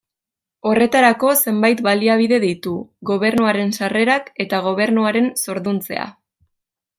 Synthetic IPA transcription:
o̞re̞t̪aɾako̞se̞mbajt̪βaliaβ̞iðe̞ð̞ijt̪uɣo̞β̞e̞ɾnuaɾe̞nsare̞ɾake̞t̪aɣ̞o̞β̞e̞ɾnuaɾe̞nso̞ɾðunt͡se̞̰a̰

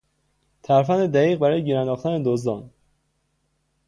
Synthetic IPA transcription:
t̪ʰæɾfæned̪æɣiːɣ̚bæɾɒːjeɟiːɾænd̪ɒːxt̪ʰæned̪ozd̪ɒːn

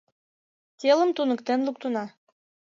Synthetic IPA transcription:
tʲeləmt̪unəkt̪enluk̚t̪unɑ

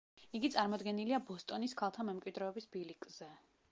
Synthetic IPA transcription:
iɡit̪sʼaɾmɔd̪ɡɛniliabɔst̪ʼɔniskʰalˠt̪ʰamɛmkʼwid̪ɾɛːbisbilikʼz̥ɛ

